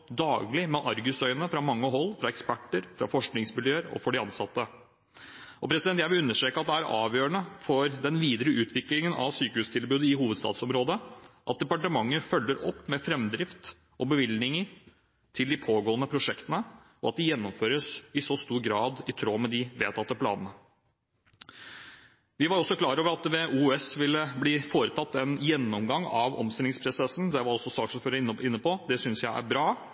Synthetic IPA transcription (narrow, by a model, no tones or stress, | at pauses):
d̪ɑːɡlɪmɛʔɑɾɡʉsœʏənəfɾɑmɑŋːəɦɔlːfɾɑɛkspæʈːəɾfɾɑ̰fɔʂknɪŋsmɪljøːəɾɔ̰fɔɖɪɑnsɑt̪ːə | ɔpʰɾɛsɪd̪ɛnt̪jæʋɪlʉnːəʂʈɾeːkɑt̪d̪ɛæɾʔɑːʋjøːɾəɳəfɔɾd̪ɛnʋiːd̪əɾəʔʉːt̪ʰʋɪklɪŋənɑ̰ʋsyːkəhʉːst̪ʰɪlbʉːd̪əɪhuːʋəd̪st̪ɑ̰ːt̪sɔmɾoːd̪əʔɑt̪̚d̪ɛpɑʈəmɑŋːəɾfœlːəɾɔ̰pːmɛfɾɛmd̪ɾɪft̪ | ʔɔbəʋɪlnɪŋəɾ | t̪ʰɪld̪ɪpʰoːɡoːənəpʰɾʊʂɛkt̪ənə | ɔɑt̪̚d̪ɪjɛnːɔmføːɾəsɪsɔst̪uːɾɡɾɑːd̪ɪt̪ʰɾoːmɛd̪ɪʋeːt̪ʰɑt̪ːəpʰlɑ̰ːnənə | ʋɪʋɑɾɔsːɔkʰlɑːɾoːʋəɾɑt̪̚d̪ɛʋeːʔuːɛsʋɪlːəbliːfoːɾət̪ʰɑt̪ːɛnjɛnːɔmɡɑŋɑʋɔ̰mst̪ɛlɪŋspʰɾʊsɛsn̩d̪ɛʋɑɾɔsɔsɑːksɔmføːɾəɪɪnːəpɔd̪ɛsʏnsjæɪʔæ̰ɾbɾɑː